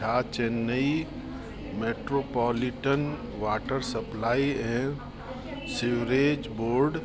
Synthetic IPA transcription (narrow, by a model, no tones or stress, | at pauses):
aːt͡ʃenːəi | meːʈɾopɔːliʈən | ʋaːʈəɾsəplaːiẽ | siʋɾeːd͡ʒboːɾɖ